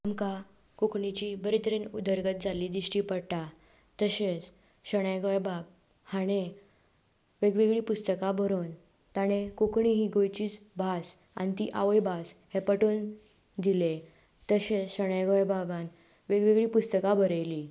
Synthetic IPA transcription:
amka | kukɳit͡ɕibəɾit̪ʰəɾenud̪ʱəɾɡət̪̚d͡zaliːd̪iɕʈiːpəɽʈ̪a | t̪əɕet͡s | ɕəɽ̃ajɡəjbab̚ | haɽ̃e | ʋeɡʋiɡɭiːpust̪əkabʱəɾuːn | t̪aɽ̃ekukɳiɦiːɡojt͡ɕiːt͡sbʱas | a̰nit̪iʔaʋəjbʱashepəʈoːn | d̪ile | t̪əɕet͡sɕəɽ̃ajɡɔjbaban | ʋeɡʋiɡɭiːpust̪əkabʱəɾəjli

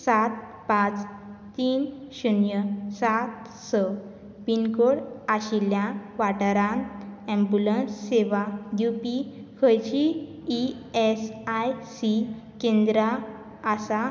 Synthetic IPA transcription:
sat̪̚ | pãt͡st̪iːnɕunjəsat̪ | sə | binkoɽaɕiljãʋaʈəɾãnɛ̃mbulənsːeʋajupikʰəjt͡ɕiː | esajsikẽnd̪ɾaː | sa

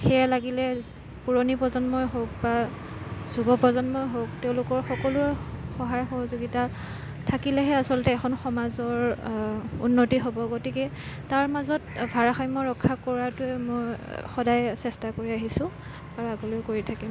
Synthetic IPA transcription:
xɛjalaɡilɛ | puɹonipɹɔzɔnmɔjɦok̚ba | z̥ubɔpɹɔzɔnmɔjɦok̚tɛʊ̃lʊkɔɹxɔkɔlʊɹxɔɦajxɔɦɔzuɡita | tʰakilɛɦɛasɔltɛːkʰɔnxɔmazɔɹ | unːotiɦobɔɡotikɛ | taɹmazɔtbʱaɹaxajmɔɹɔkʰːakɔɹatʊɛmojxɔdajsɛstakoɹiaɦisʊ̃ | aɹuaɡolojkoɹitʰakim

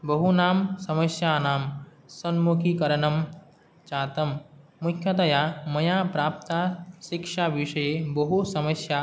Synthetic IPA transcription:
bɐɦunaːmsɐmɐsjaːnaːm | sɐnmukʰikɐɾɐnɐm | t͡ʃaːt̪ɐmːukʰjɐd̪ɐjaːmɐjaːpɾaːp̚t̪aʃikʂaʋiʂɐjebɐɦusɐmɐsja

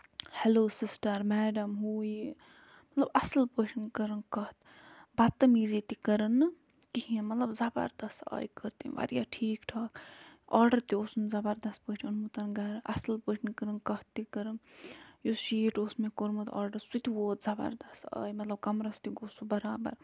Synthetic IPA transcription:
hɛloːsisʈɐɾmɛːɖɐmɦuːji | mɐt̪lɐbɐslpəʃinkəɾɨnkɐht̪ | bɐt̪ːɐmiːzit̪ikəɾɨnːɨ | kihĩẽmɐt̪lɐbzɐbɐ̰ɾd̪ɐsa̰ːjkəɾt̪ḭʋɐ̰ɾija̰ːʈʰiːkʈʰaːkaːɾɖɐɾt̪ioːsunzɐbɐɾd̪ɐspəːʈʰiunmut̪ɐnɡɐɾʔɐ̰sɐlpəʃʰinkəɾɨnkɐht̪ːikəɾɨnjoʃiːʈoːsmekoɾmɐt̪a̰ːɾɖɐɾsut̪ʲiwoːt̪zɐbɐ̰ɾd̪ɐsa̰ːjmɐt̪lɐb̚kɐmɾɐst̪iɡosubɐɾaːbɐ̰ɾ

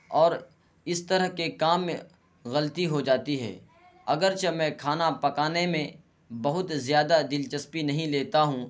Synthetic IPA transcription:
ɔːɾ | ɪst̪ɐɾəɦkekaːm | ɣɐlt̪iɦod͡ʒaːt̪iɦɛ̰ː | ɐɡəɾt͡ʃɐmɛ̃ːkʰaːnapɐkaːnemẽ | bɐɦʊt̪zjaːd̪ad̪ɪlt͡ʃəspinɐɦĩleːt̪aɦũ

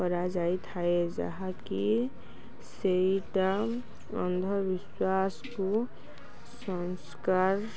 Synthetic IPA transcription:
pəɾad͡ʒaːit̪ʰaed͡ʒə̰ɦãki | seiʈa | ə̰̃nd̪ʱəbɪswaːsko | sə̃nskaɾ

